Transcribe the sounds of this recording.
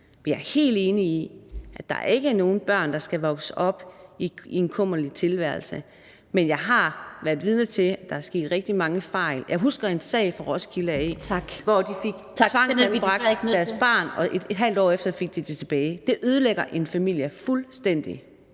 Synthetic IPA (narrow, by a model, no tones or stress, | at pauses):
mejɑ̈æɐhe̝̰ːld̥e̝ːniːʔæd̥ɑ̈æ̰ɐe̝ɡ̥əno̝ːn̩b̥ɶɐ̰nd̥ɑ̈sɡ̥æʋɒ̽ɡ̥sɒ̽b̥iienkʰɔm̰ɐlit͡sʰe̝lʋæɐlsə | menjɑ̈ɪɦɑ̈ʋæɐdˠʋiðˠnɐt͡sʰe̝æd̥ɑ̈hæɐsɡ̥e̝̰ːd̥ʁɛɡ̥d̥imɑ̈ŋəfɑ̈ɪ̰ljɑ̈ɪɦusɡ̥ɐensɛ̰ɪ̰fɒʁɒ̽skʰilɐe̥ɒd̥ifiɡ̥ʰt͡sʰʋɑ̈ŋ̰ænb̥ʁɑ̈ɡ̥dæɐsb̥ɑ̰̈ːnɒ̽ʔe̝d̥ɦæl̰d̥ɒ̰ːefd̥ɐfe̝ɡ̥̚d̥it͡sʰet͡sʰe̝b̥ɛːɪd̥e̝ʔøð̞ˠleɡ̥ɐʔe̝nfæmil̰jəfulsd̥en̰d̥ḭ